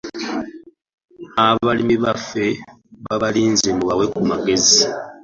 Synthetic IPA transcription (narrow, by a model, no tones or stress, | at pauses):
aβalimiβafe̞ | βaβaliːnzemuβawe̞kumaɡe̞zi